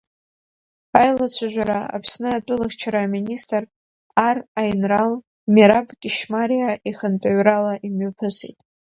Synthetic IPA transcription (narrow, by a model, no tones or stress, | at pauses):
ajlat͡sʷʰaʒᶣʷaɾaa̰pʰsnɨatʼʊlaxʲt͡ʃʰaɾaːministʼr | arajnral | meɾapʼɡʲʼɪʃmaɾijaʔiχəntʼaɥralaʔimɥapʰɨsḛjtʼ